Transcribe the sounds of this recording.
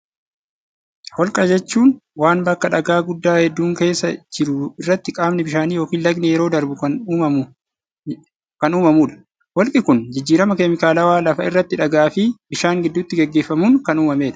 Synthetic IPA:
wɔlkʼɐd͡ʒɛt͡ʃːuːnwaːnbɐkːɐᶑɐɡaːɡʊd̪ːaːhɛd̪ːuːŋke̞ːsːɐd͡ʒɪɾʊɪrːɐt̪ːɪkʼaːmnɪbɪʃaːniːjo̞ːkiːnlɐɡnɛjɛɾo̞ːd̪ɐɾbʊɐ | kɐnuːmɐmuːᶑɐ̥ | wɔlkʼɪkʊnd͡ʒɪd͡ʒːiːɾɐmɐkɛmɪkaːlɐwaːlɐfɐɪrːɐt̪ːɪᶑɐɡaːfɪbɪʃaːŋɡɪd̪ːʊt̪ːɪɡɛɡːe̞ːfːɐmuːŋkɐnuːmɐme̞ːᶑɐ̥

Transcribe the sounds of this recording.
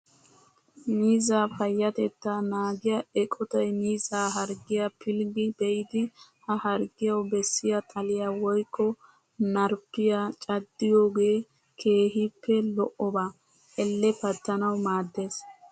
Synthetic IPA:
miːzaːfɐjːɐt̪ɛt̪ːɐnaːɡɪjɐɛkʼɔt̪ɐjmiːzaːɦɐɾɡɪjɐpʰɪlɡɪbɛjɪd̪ɪhɐhɐɾɡɪjɐwbɛsːɪjɐt̪ʼɐlɪjawɔjkʰːɔ | nɐɾpːɪjat͡ʃʼɐd̪ːɪjo̞ːɡe̞ː | kʰe̞ːɦɪpːɛlɔʔɔbaː | ʔɛlːɛpɐt̪ːɐnɐwmaːd̪ːe̞ːs

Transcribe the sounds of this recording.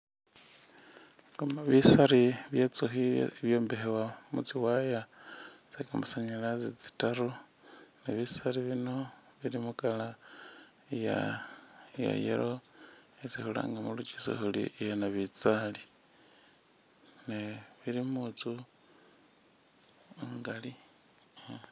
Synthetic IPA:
kamaβisaɾiβjet͡suxiβjo̞ːmbehewamṵt͡siwajat͡sakamusaɲalazit͡si̥taru | neβisariβino̞ | βiɾimukala | ja̰ | ja̰jḛɾʔoet͡sihula̰ːŋɡamulut͡ʃi̥so̰hulḭejanaβit͡sali | neβiɾimut͡su | ŋɡali

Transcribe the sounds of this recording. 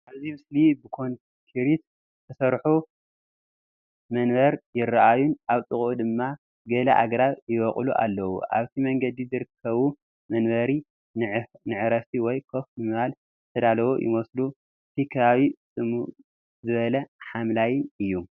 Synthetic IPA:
ʔaβzimɨslibɨkʰo̞n | kʰiɾit̪ | t̪ʰɐsɐɾħu | mɐnbɐɾjɪrːaʔajunʔaβt̪ʼɨχʼud̪ɨmːa | ɡɐlɐʔa̰ɡɾaβjɪβɐχʼluʔa̰lːɐwṵʔa̰βt̪ʰimɐŋɡɐd̪izɨɾɨkʰːɐβu | mɐnbɐɾi | nnɨʕɾɐftiwɔjkʰo̞fmɨmɨβal | zɨt̪ʰɐd̪alɐβojʔɪ̰mɐslu | t̪ʰikʰɐβaβisʼɨmu | zɨβɐlɐħamlajɪnʔɨjːu

